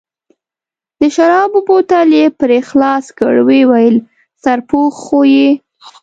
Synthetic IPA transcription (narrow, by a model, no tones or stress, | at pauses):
d̪̥əʃaɾɑbʊbot̪alepɾexlɑskə̰ɽwewajəl | saɾpoxoje